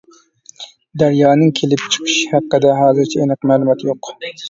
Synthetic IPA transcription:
d̪æɾjɑːnɨŋkʲʰelɪp̚t͡ʃʰɨ̥qʰɨ̥ʃhæqːəd̪ɛɦɑːzɨɾt͡ʃʰɛenɨqmæːlˠumɑt̪ʰjoq

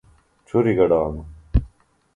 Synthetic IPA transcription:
t͡ɕʰuɾiɡɐɖaːmu

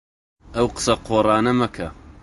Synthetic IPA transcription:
ɐwqə̥sɐqʰoːrˤɑːnɐmɐkʰɐ

